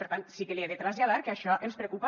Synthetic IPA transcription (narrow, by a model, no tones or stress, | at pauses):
eɾt̪ansikelieðet̪ɾazʎaðaɾkeaʃɔʔelspɾekupa